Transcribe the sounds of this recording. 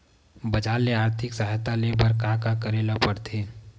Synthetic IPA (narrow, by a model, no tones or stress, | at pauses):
bɐd͡ʒaːlːeaːɾt̪ʰɪksəɦajt̪alebəɾkãːkakəɾeːlapəɾt̪ʰeː